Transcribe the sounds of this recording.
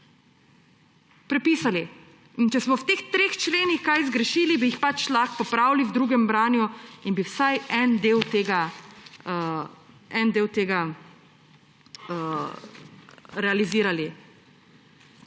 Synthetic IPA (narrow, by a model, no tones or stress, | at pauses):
pɾɛpiːsali | int͡ʃɛsmɔwt̪eːxt̪ɾeːxt͡ʃleːnixkajzɡɾɛʃiːlibijixpat͡ʃlaxpɔpɾaːwliwd̪ɾuːɡɛmbɾaːnjuinbiwsajɛnd̪eːwt̪eːɡa | ɛnd̪eːwt̪eːɡa | ɾɛaliziːɾali